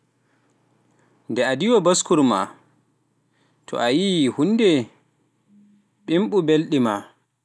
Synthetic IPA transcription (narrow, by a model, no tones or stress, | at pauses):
ndɛadiwabaskuɾma̰ | tʰɔ̰ʔajihundɛ | ɓimɓubelɗima